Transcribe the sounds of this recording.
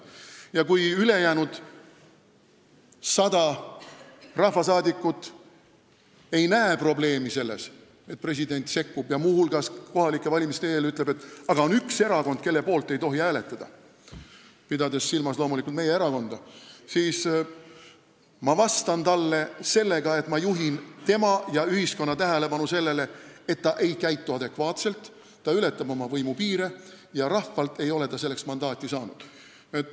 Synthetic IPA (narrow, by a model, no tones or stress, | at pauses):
jɑkujyle̞jæːnud̪̥ | sɑd̪ɑ | rɑhvɑsɑːd̪ikːˑut̪ːˑ | e̞jnæepro̞ble̞ːmise̞lːe̞s | e̞t̪̚pre̞s̬ʲid̪e̞nʲt̪se̞kːub̥jɑmuːhulɡ̥ɑsko̞hɑlikːˑe̞vɑlʲimist̪e̞ːlyt̪ˑle̥e̞t̪ːˑɑɡ̥ɑo̞nykse̞ɾɑko̞nd̪̥ke̞lːepo̞ːlt̪ːˑe̞jt̪o̞ɦiæːle̞t̪ːˑɑd̪̥ɑ | pid̪ɑd̪e̞sːilmɑslo̞ːmulikult̪me̞jeeɾɑko̞nd̪̥ɑsiːs | mɑvɑst̪ɑnt̪ɑlːe̞se̞lːe̞ɡ̥ɑe̞t̪mɑjuɦint̪e̞mɑjɑyɦhisko̞nːɑt̪æɦele̞pɑnuse̞lːe̞le̞et̪ːɑʔe̞jkæjt̪ːˑuɑd̪̥e̞kvɑːt̪se̞lt̪ː | ɑyle̞t̪ːˑɑbo̞mɑvɤjmupiːɾe | jɑɾɑhːɑlt̪e̞jo̞le̞t̪ɑse̞lːeksmɑnd̪ɑːt̪ʲˑːisɑːnud̪̥ | et̪